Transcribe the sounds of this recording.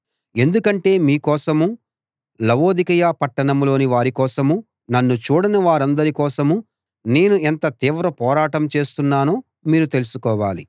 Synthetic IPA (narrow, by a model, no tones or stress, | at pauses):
e̞nd̪ukɐɳʈe̞ːmiːkɔːsɐmu | lɐʋo̞ːd̪ikɐjaːpɐʈːɐɳɐmlo̞ːniʋaːɾikɔːsɐmu | nɐnːut͡ʃuːɽɐnɐʋaːɾɐnd̪ɐɾikɔːsɐmu | ne̞ːnuent̪ɐt̪iːʋɾɐpɔːɾaːʈɐmt͡ʃe̞ːst̪unːaːnuː | miːɾut̪e̞lusukɔːʋaːli